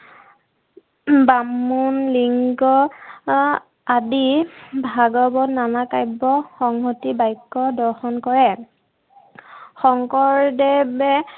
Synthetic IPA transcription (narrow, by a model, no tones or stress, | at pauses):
bamunliŋɡɔ | adibʱaɡɔbɔnanakajbɔxɔŋɦotibajkːɔdɔɹxɔnkɔɹɛ | xɔŋkɔɹdɛbɛ